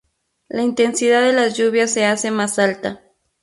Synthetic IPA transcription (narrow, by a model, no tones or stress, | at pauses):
laint̪e̞nsiðaðelazʝuβjasːe̞ase̞masalt̪a